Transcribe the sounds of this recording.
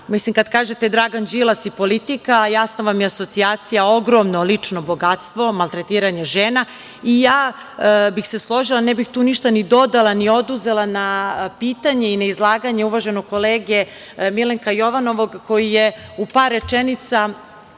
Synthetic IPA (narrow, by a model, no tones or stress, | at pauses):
mislimkad̪kaːʒe̞t̪ed̪ɾaɡand͡ʒilˠasipo̞lit̪ikajasnaʋamjeaso̞t̪siaːt̪sijao̞ɡɾo̞mno̞lit͡ʂno̞bo̞ɡat̪st̪ʋo̞malˠt̪ɾet̪iːɾaɲeʒeːna | ijaː | bixse̞slˠo̞ʒilˠanebixt̪uːniʃt̪anid̪o̞d̪alˠanio̞d̪uze̞lˠanapiːt̪aɲe̞inaizlˠaːɡaɲe̞uʋaʒenoɡko̞leːɡe | mileŋkajo̞ʋano̞ʋoɡko̞jijeupaɾːe̞t͡ʃenit̪sa